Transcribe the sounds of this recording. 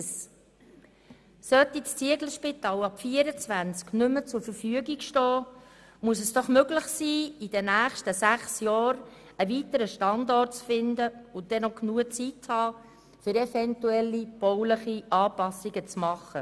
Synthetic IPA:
s | sœt̪ːist͡siəɡləʃpit̪ɑːlɑpfiəɾət͡svænt͡sknʏmːət͡sʊɾfəɾfyəɡikʃtɔː | muəs̬ɛsd̥ɔχmøɡləχsiːid̥ənæːχʃtəsæχsjɔːɾ | əvit̪əɾəʃtɑnd̪ɔrt̚t͡sfɪnd̪əʊnd̥ɛnɔknuət͡sitshɑː | fʏɾɛfɛntuɛlːib̥ɔwləχiʔɑːpɑsiɡət͡smɑχːə

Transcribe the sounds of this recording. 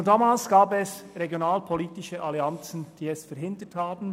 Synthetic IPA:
ndaːmaːlsɡ̥aːbɛsʁeɡjonaːlpʰoliːtɪʃəʔaliant͡sn̩d̥iːɛsfɛɾɦɪndəthaːbn̩

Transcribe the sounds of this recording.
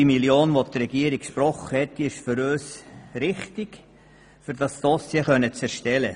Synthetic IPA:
imiljoːnʋot̪ɾɛɡ̥iəɾɪkkʃpɾɔχəhɛtːiɪʃfʏɾøːsɾɪχtɪɡ | fʏɾdɑsd̥ɔsjəχœnət͡sɛɾʃtɛlə

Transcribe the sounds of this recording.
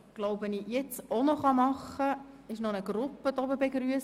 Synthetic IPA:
ɡ̥loʊpʋɛnijɛt͡sonɔχɑmɑχə | ɪʃnɔnəɡɾʊpːədɔbəbɛɡɾyəs

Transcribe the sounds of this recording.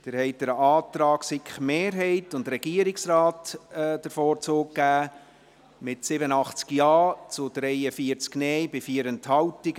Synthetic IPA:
d̥ɪːɾhɛɪt̚d̥əɾɑːtɾɑːksɪkχmeːɾɦɛɪtʊndɾɛɡ̥iəɾɪksrɑːtːd̥əɾfɔːɾt͡soːkɡːæː | mɪtsɪbəənɑχt͡skjɑːt͡sʊd̥ɾɛɪəfiəɾt͡sknɛjbɪfiəɾənthɑwtɪɡ̥

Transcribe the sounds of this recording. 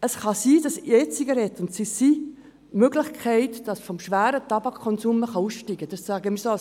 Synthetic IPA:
əsχɑsiːd̥ɑset͡siɡɑɾɛt̪ːʊntsisi | møɡlɪχkʰɛɪtd̥ɑsfɔmʃʋæːɾət̪ɑbɑkʰkːɔnsuːməχɑusʃtiɡ̥əd̥ɑssæːɡəmːɾsos

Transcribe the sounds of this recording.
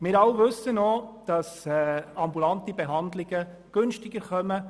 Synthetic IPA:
mɪːɾɑlʋɵsːənɔd̥ɑsɛɑmbulɑnt̪ibeɦɑndlɪɡə | ɡ̥ɵnʃtɪɡ̥əɾχœmə

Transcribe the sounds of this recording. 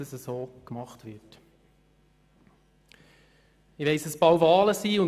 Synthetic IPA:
əsəsoːkmɑχtʋɪɾt | ɪʋɛɪsəsbɑwvɑːləsiːʊn

